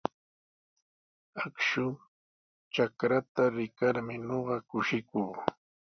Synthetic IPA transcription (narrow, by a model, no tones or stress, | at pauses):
akʃʊ | t͡ʃakɾat̪aɾɪkaɾmɪɲoɢɑkʊʃɪkuː